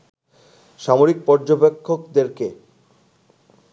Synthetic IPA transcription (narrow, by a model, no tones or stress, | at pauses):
ʃamoɾik̚pɔɾd͡ʑobekʰːokd̪eɾke